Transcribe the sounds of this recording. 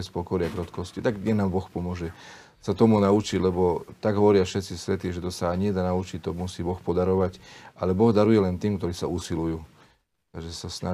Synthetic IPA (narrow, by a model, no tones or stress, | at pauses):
ɛspɔkɔɾɪakɾɔt̪kɔscit̪aɡɛnaːmbɔxpɔmʊɔʒɛ | sat̪ɔmunaut͡ʃiɟlɛbɔt̪aɡɦɔʋɔɾɪafʃɛt̪t͡sisʋɛt̪iʒɛt̪ɔsaɲɪɛd̪anaut͡ʃict̪ɔmusiːbɔxpɔd̪aɾɔʋacʔalɛbɔɣd̪aɾujɛlɛnt̪iːmkt̪ɔɾiːsausilujuː | t̪aɡʒɛsasna